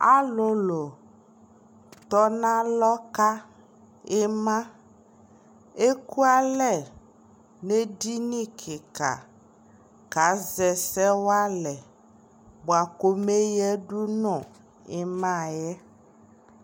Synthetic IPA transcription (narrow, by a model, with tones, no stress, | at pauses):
a̰˦lo˦lo˨ | t̪ɔ˦nã˦lɔ˦ka˦ | e˦mã˦ | e˦ku˦a˦lɛ˨ | ne˦di˦nĩ˦kʰe˨ka̰˨ | ka˨˦zɛ˨sɛ˦wa˦lɛ˨ | bo˨a˨ko˦me˦jɛ˦ɖu˦nɔ̃˨ | e˦mã˦jɛ˦